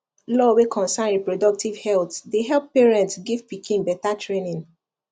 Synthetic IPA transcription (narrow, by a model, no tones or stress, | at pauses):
lɔwekʰɔ̃nsãnɹipɹodɔk̚tivhɛltdeɦɛlppeɹɛ̃ntsɡivpikĩnbɛtatʰɹenĩn